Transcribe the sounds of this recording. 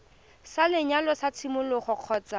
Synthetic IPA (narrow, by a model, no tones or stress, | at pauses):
salɪɲalɔsat͡sʰimʊlʊχɔq͡χʰɔːt͡sa